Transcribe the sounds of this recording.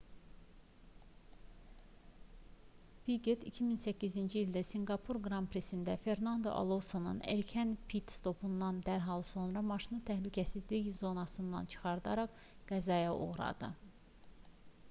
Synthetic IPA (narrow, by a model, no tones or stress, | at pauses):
biɡet̪icʰiminsæcːizind͡ʒiːld̪æsiŋɡɑpʰuɾɡɾɑmpɾe̞sind̪æfe̞ɾnɑnd̪o̰ʔɑ̰lˠosonɯ̰neɾcʰænpʰit̪st̪ʰo̞pʰund̪ɑnd̪æɾɦɑlˠso̞nɾɑmɑʃinɯt̪ʰæhlycʰæsizliçzo̞nɑsɯnd̪ɑ̰nt͡ʃʰɯ̥χɑɾd̪ɑɾɑχ | ɡ̥æzɑjɑʔo̞̰ɣɾɑ̰d̪ɯ̰